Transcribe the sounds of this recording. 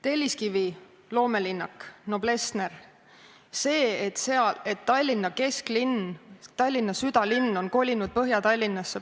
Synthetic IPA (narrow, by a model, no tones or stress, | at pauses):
t̪e̞lʲːiskivi | lo̞ːme̞linːɑkno̞b̥le̞sne̞r | se̞ːet̪seɑle̞t̪ːɑlʲːinːɑke̞sklint̪ɑlʲːinːɑsyd̪̥ɑlinːo̞nko̞lʲinud̪̥̚pɤɦjɑt̪ɑlʲːinːɑsːe